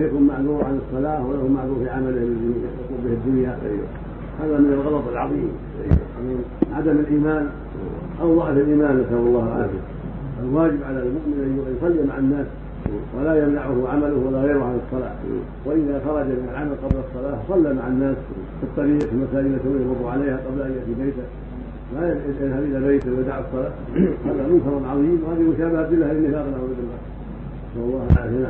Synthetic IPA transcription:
akummaʕðuːɾʕanɨsˤːɑlaːhwalahumaʕðuːɾfiʕamalɪhalːaijat̪ɑkuːbɪhɪd̪ːʊnjaʔa̰jːa̰ | haːðamɪnalɣɑlɑt̪ˤɪlʕɑðˤiːm | ʔa̰j̰ːʔakuːnʕad̪amalʔiːmaːn | ʔɑwðˤɑʕtalʔiːmaːnʔasawɑlˤːɑːhʕa̰fɪ̰ | ʔalwaːd͡ʒɪbʕalalmʊʔmɪnʔajːʊsˤɑlːimaʕanːaːs | walajamnaʕʊhʕamalʊhwalːaɣeːɾʊʕanɨsˤːɑla̰ːh | waʔɪðaxɑɾˤɑd͡ʒamɪnalʕamalqɑblsˤːɑlaːsˤɑlːamaʕanːaːs | fɨt̪ˤːɑɾiːqfimasaːd͡ʒɪlat̪awjɾʊd̪ˤuʕalajhaqɑblaʔanjaʔt̪ibejt̪a | majajaðhabʔɪlabejt̪wajad̪aʕɑsˤːɑlaː | haːðamʊnsɑɾˤɑnʕɑðˤiːmwhaːðimʊʃaːbɪhabɪlːahalɪmːɪfaːqnawad̪ɪlːa | sawɑlːɑːhʔa̰ːfɪn

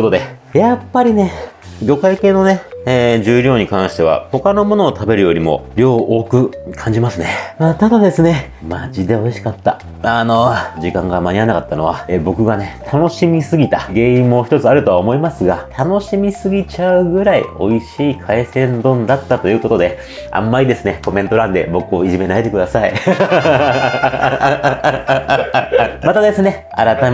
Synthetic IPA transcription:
ot̪o̞d̪e̞ | japːaɾʲine̞ɡʲo̞kaike̞ːno̞ne̞eːʑɨːɾʲo̞ːɲ̟ikãɰ̃ɕi̥t̪e̞β̞a̰ho̞kano̞mo̞no̞ːt̪ʰabe̞ɾɯ̟jo̞ɾʲimo̞̰ɾʲo̞ːʔo̞ːkɯ̟kʰãɲ̟d͡ʑimasɨneat̪ad̪ad̪e̞sɨne̞ | mad͡ʑid̪e̞o̞iɕi̥kat̪ːa̰ | ano̞d͡ʑikãŋɡamaɲ̟ianakat̪ːano̞β̞aːbo̞kɯ̟ɡane̞t̪ʰano̞ɕimʲisɨɡʲit̪aɡe̞ːĩmːo̞çi̥t̪ot͡sɨaɾɯ̟t̪o̞aomo̞imasɨɡat̪ʰano̞ɕimʲisɨɡʲit͡ɕaɯ̟ɡɯ̟ɾaḭo̞iɕiːkʰaesẽ̞nd̪õ̞nd̪at̪ːat̪o̞jɯ̟ːko̞t̪o̞d̪e̞ | ã̰mːaɾʲid̪e̞sɨne̞ko̞mẽ̞nt̪o̞ɾãnd̪e̞bo̞kɯ̟o̞iʑime̞naet̪e̞kɯ̟d̪asai | mat̪ad̪e̞sɨne̞ | a̰ɾat̪a

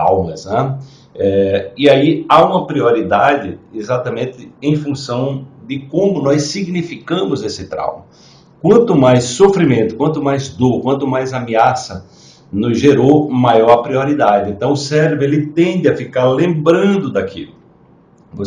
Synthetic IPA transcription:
ɾa̰wmɐsnɛ | ɛiaiaũmɐpɾioɾid̪ad͡ʒɪezat̪ɐmẽnt̪ɪẽj̃fũsɐ̃w̃d̪ɪkõmʊnɔjsiɡnifikɐ̃mʊzesɪt̪ɾa̰wmɐ | kwɐ̃nt̪ʊmajsːofɾimẽnt̪ʊ̥kwɐ̃nt̪ʊmajzd̪oɾkwɐ̃nt̪ʊmajzameasɐ | nʊzʒeɾowmajɔɾpɾioɾid̪ad͡ʒɪẽnt̪ɐ̃w̃ʊsɛɾbɾʊelɪt̪ẽnd̪ɪɐfikaɾlẽmbɾɐ̃nd̪ʊd̪akḭlʊ | vo

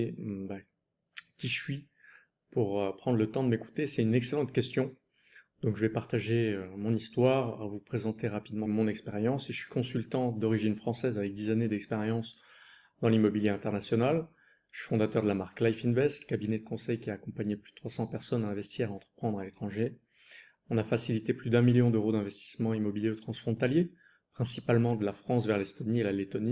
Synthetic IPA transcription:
ba | kʲiʃɥi | puʁøpχɑ̃d̪ʁlət̪ɑ̃d̪əmeku̥t̪esɛt̪ynɛkselɑ̃t̪kʲɛst̪jɔ̃ | d̪ɔ̃kʒəvɛpaʁt̪aʒeømɔ̃nist̪waʁvupχezɑ̃t̪eʁapid̪mɑ̃mɔ̃nɛkspeʁjɑ̃seʒəsɥi̥kɔ̃sylt̪ɑ̃d̪ɔʁiʒinfχɑ̃sɛzavɛk̚d̪izaned̪ɛkspeʁjɑ̃s | d̪ɑ̃limɔbiljeɛ̃t̪ɛʁnasjɔnal | ʒə̥ʃɥi̥fɔ̃d̪at̪œʁd̪əlamaʁklajfinvɛst̪kabinɛd̪əkɔ̃sɛjkʲiaːkɔ̃paɲeply̥dət̪χwasɑ̃pɛʁsɔnɛ̃vɛst̪ʰiʁaɑ̃t̪χə̥pχɑ̃d̪ʁalet̪χɑ̃ʒe | ɔ̃nafasilit̪eplyd̪ɛ̃miljɔ̃d̪øʁod̪ɛ̃vɛst̪i̥smɑ̃imɔbiljeot̪χɑ̃sfχɔ̃t̪alje | pχɛ̃sipalmɑ̃d̪əlafχɑ̃svɛʁlɛst̪ɔnielalet̪ɔni

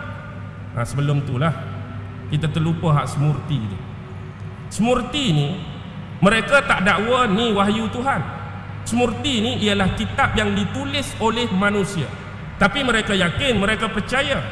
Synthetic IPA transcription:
ʔa̰səbəlʊmt̪ulah | kit̪at̪əlupaɦaʔsəmurt̪it̪ṵ | səmurt̪ini | məɾekat̪aʔdaʔwəniwaɦjut̪uɦan | səmurt̪iniʔiəlahkit̪ap̚jaŋdit̪ulɪsolɛhmanũsia̰ | t̪apimə̃ɾekajakɪnmə̃ɾekapərt͡ʃaja

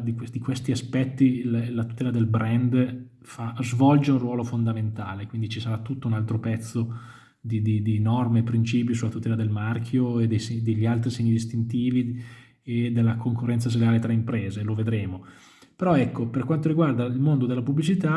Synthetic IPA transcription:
d̪ikwd̪ikwest̪iaspɛt̪ːillat̪u̥t̪ɛːlad̪elbɾɛnd̪ | fazvɔld͡ʒeunrwɔːlofond̪ament̪aːlekwind̪it͡ʃisaɾat̪ːut̪ːounalt̪ɾopɛt̪sːo | d̪id̪id̪inɔrmepɾint͡ʃiːp̬jisulːat̪ut̪ɛːlad̪elmark̟ʰjoed̪ejsed̪eʎːialt̪ɾisɛɲːid̪ist̪int̪iːvi | ed̪elːakoŋkorːɛnt̪sas̬eleaːlet̪ɾaimpɾeːzeloved̪ɾeːmo | peɾɔɛkːoperkwant̪oɾiɡward̪ailmond̪od̪elːapubːlit͡ʃit̪a

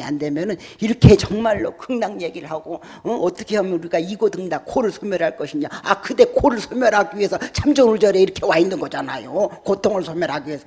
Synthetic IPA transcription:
a̰nde̞mjʌnɯniɾʌkʰe̞t͡ɕʌŋmaɭːo̰kɯŋnaŋje̞ɡiɾɯɭɦhaɡo | ʌʌt͈ʌkʰe̞hamjʌnuɾiɡaiɡodɯŋdakʰoɾɯɭsʰomjʌɾɦaɭk͈ʌɕʰiɲaakɯde̞kʰoɾɯɭsʰomjʌɾɦaɡiɥiɦe̞sʰʌt͡ɕʰamd͡ʑʌnuɭd͡ʑʌɾe̞iɾʌkʰe̞waindɯnɡʌd͡ʑanajokotʰoŋɯɭsʰomjʌɾɦaɡiiesʰʌ

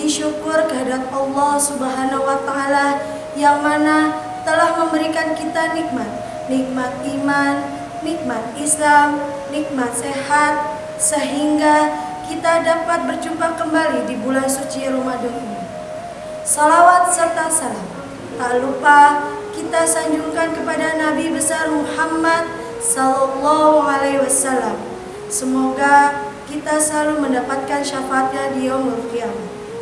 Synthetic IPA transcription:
diʃukʊrkəɦadat̪̚ɑlːɔhsubəɦanaɦwat̪aːla | jaŋmana | t̪əlahməmbəɾikankit̪anik̚mat̪̚ | nik̚mat̪̚imanː | ik̚mat̪̚islam | nik̚mat̪̚seɦat̪̚ | səɦiŋɡa | kit̪adapat̪̚bərt͡ʃumpakəmbalidibulansut͡ʃiɾomadʊmini | sɔlawat̪̚sərt̪asalam | t̪alupa | kit̪asaɲd͡ʒuŋkankəpadanabibəsarmuhamːad̪̚ | sɔlɔlːɔɦualewasalːam | səmoɡa | kit̪asəlaluməndapat̪̚kanʃafat̪̚ɲadiaŋməɾukiamu

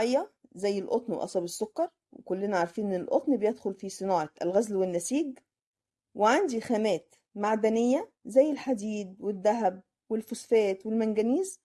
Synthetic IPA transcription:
jːɑ | zæjːelʔo̰t̪ˤnwʔɑ̰sˤɑbesːokːɑɾˤ | wekolːenæʕaɾˤfiːnelʔo̰t̪ˤnibejed̪xolfisˤɨnɑːʕɑʔælɣæzlwenːæsiːɡ | weʕand̪ixæmæːt̪ | maʕd̪ænejːæ | zæjːelħad̪iːd̪wed̪ːæɦæb̚ | welfosfæːt̪welmænɡæniːz

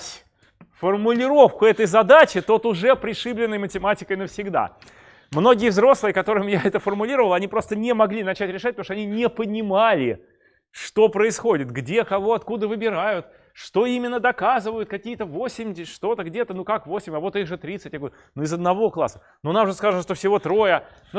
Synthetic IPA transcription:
tʲ | fərmʊlʲɪɾo̞fkʊɛt̪əjzɐd̪at͡ɕɪt̪o̞t̪ʊʐɛpɾʲɪʂɨblʲɪnːəjmətʲɪmatʲɪkəjnəfsʲɪɡd̪a̰ | mno̞ɡʲɪjəvzɾo̞slˠɨjəkɐt̪o̞ɾɨmjaɛt̪əfərmʊlʲiɾəvəlˠɐnʲipɾo̞st̪ənʲɪmɐɡlʲinɐt͡ɕætʲɾʲɪʂat̚ʲpt̪mʂt̪ɐnʲinʲɪpənʲɪmalʲɪ | ʂt̪o̞pɾəɪsxo̞dʲɪt̪ɡdʲe̞kɐvo̞ɐt̪kud̪əvɨbʲɪɾajʊt̪ | ʂt̪o̞imʲɪnːəd̪ɐkazɨvəjʊt̪̚kɐkʲijət̪əvosʲɪmʲʂt̪o̞t̪əɡdʲet̪ənukakvo̞sʲɪmʲɐvo̞t̪iɣʐɨt̪ɾʲit̪sɨtʲɡ | nuɪzəd̪nɐvo̞klˠa̰sːə̥ | nunamʐɨskazənəʂt̪ofsʲɪvo̞t̪ɾo̞jə | n

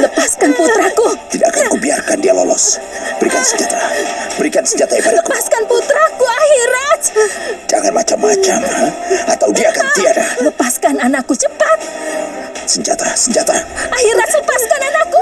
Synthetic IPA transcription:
ləpaskanput̪ɾakut̪idaʔkakubiarkandialɔ̰lɔ̰s | b̥əɾikansəɲd͡ʒat̪abəɾikansəɲd͡ʒat̪aipadaləkupaskanput̪ɾakuahiɾat͡ʃd͡ʒaŋanmat͡ʃammat͡ʃamaat̪awdiaːkant̪iadaləpaskananakut͡ʃəpat̪̚ | səɲd͡ʒa̰t̪asəɲd͡ʒat̪aahɪrasləpaskananaku

